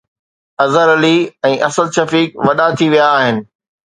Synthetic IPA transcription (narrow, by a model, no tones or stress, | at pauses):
ɐzəɾɐliɛ̃ːʔɐsəlʃɐfiːkʋɐɗat̪ʰiʋijaːɦɪnɪ̆